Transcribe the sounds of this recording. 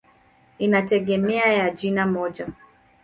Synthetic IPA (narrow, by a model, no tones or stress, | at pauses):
inatɛɡɛmɛajad͡ʒinamɔd͡ʒa